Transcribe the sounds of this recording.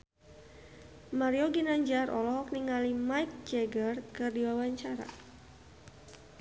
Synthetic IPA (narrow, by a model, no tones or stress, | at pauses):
maɾioɡinaɲd͡ʒarʔɔ̰lɔɦɔk̚niŋalimajk̚d͡ʒɛɡərkɨrdiwawaɲt͡ʃaɾa̰